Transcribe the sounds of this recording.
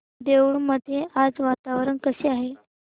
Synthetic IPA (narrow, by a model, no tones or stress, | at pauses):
d̪eʋɭməd̪ʱːjead͡zʋat̪aʋɾəɳkəseaɦe